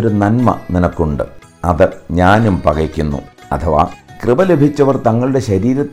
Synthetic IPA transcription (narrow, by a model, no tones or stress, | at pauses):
ɾunɐnmɐ̰ninɐkːuɳɖɨ̰ | ɐðɨɲaːnumpɐɣɐkʲːunːṵɐt̪ʰɐʋa̰ːkrɨbɐle̞bʱit͡ɕːɐʋɐrt̪ɐŋːɐɭuɽe̞ɕɐɾiːɾɐt̪ː